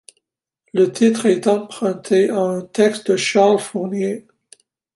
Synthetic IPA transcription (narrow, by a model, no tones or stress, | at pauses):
lət̪ʰit̪χɛt̪ɑ̃pχɛ̃t̪ʰeaɛ̃t̪ɛkst̪̚d̪əʃaʁlfuʁnje